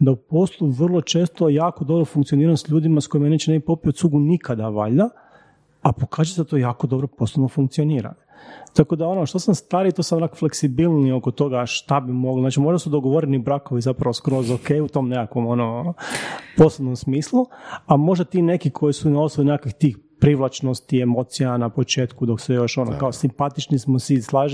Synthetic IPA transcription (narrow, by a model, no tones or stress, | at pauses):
d̪aupo̞slˠuʋr̩lˠo̞t͡ʃe̞ːst̪ojaːkod̪o̞bɾofuŋkt̪sio̞niːɾansʎuːd̪imasko̞imanet͡ʃeneipopiot̪suːɡunikad̪aʋa̰ʎa | apokaːzujeseat̪ojaːko̞d̪o̞bɾopo̞slˠonofuŋk̚t̪sio̞niːɾa̰nt̪ako̞d̪ao̞noʃt̪osamst̪aːɾit̪osamɾakfle̞ksibilˠnio̞kot̪o̞ɡaʃt̪abimo̞ɡliznaːt͡ʃimo̞ʒd̪asud̪o̞ɡoʋo̞ɾenibɾakoʋizapɾaʋoskɾo̞zokejut̪o̞mnekakʋo̞mo̞no | po̞sebnomsmiːslˠuamo̞ʒd̪at̪iːne̞kikʰojisuinaosoʋinekakixt̪iːxpɾiʋlˠat͡ʃnost̪iemo̞t̪sijanapot͡ʃe̞ːt̪kud̪o̞ksejo̞ʃo̞no̰kaosimpat̪it͡ʃnismosislˠaːʒ